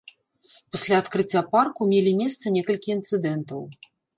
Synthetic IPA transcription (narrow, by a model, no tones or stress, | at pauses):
pasʲlʲaːt̪kɾɨt͡sʲːaparkumʲelʲimʲɛst̪sɐnʲɛkɐlʲkʲiint̪sɨd̪ɛnt̪ɐw